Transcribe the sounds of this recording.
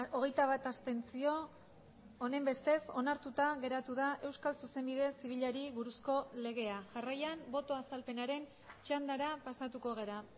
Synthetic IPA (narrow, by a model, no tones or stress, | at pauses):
oɣ̞e̞jt̪aβ̞at̪ast̪e̞nt͡sio̞ː | ne̞mbe̞st̪e̞so̞naɾt̪ut̪aɣe̞ɾat̪uðaʔe̞wskalsuse̞mbið̞e̞siβ̞iʎaɾiβuɾusko̞le̞ɣ̞e̞aʝarajambo̞t̪o̞asalpe̞naɾe̞n | t͡ʃand̪aɾapasat̪uko̞ɣ̞e̞ɾa